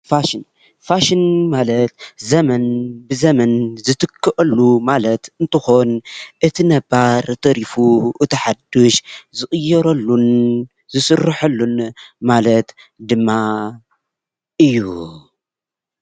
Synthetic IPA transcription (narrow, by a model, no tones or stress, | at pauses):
faʃin | faʃɪnmalɐt̪zɐmɐnbɨzɐmɐnzɨt̪ʰɨkʰːɨʔʼɐlːumalɐt̪ɨnt̪ʰɨxo̞nʔɨt̪ʰinɐbaɾt̪ʰɐɾifuʔɨt̪ɐħad̪uʃzɨxʼɨjːɐɾɐlːun | zɨsɨrːɨħɐlːunmalɐt̪ | d̪ɨmːa | ʔɨjːu